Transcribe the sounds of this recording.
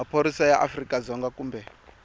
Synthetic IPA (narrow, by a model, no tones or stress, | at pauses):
apʰoɾisajaʔafrikʼazɔŋɡakuːmbɛ